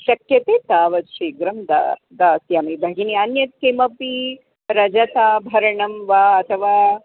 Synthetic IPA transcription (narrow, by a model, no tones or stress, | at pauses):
ʃɐkjɐt̪eːt̪aːʋɐt̪ʃiːɡɾɐmd̪a̰ | d̪aːsjaːmibʱɐɡiniɐnjɐt̪̚kemɐpi | ɾɐd͡ʒɐt̪aːbʱɐɾɐɳɐmʋaːɐt̪ʰɐʋaː